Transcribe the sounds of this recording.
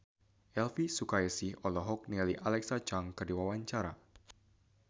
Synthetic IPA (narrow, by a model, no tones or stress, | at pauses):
ʔɛlfisukaɛsiɔlɔɦɔk̚nialiʔalɛksat͡ʃaŋkərdiwawaɲt͡ʃaɾa̰